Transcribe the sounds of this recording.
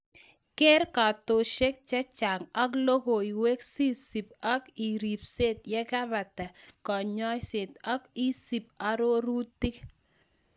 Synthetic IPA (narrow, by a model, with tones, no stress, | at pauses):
ke˦ɾka˨to˨ʃe˦k̚t͡ʃɛ˦t͡ʃa˨ŋɔ˦klo˦ko˨i˨we˦ksi˦si˨pɔ˦ki˨ɾi˨pse˦tjɛ˦ka˦βa˨tɛ˨kɔ˨ɲɔ˦jse˨tɔ˦ki˦si˨pa˨ɾo˦ɾu˦tɪ˦k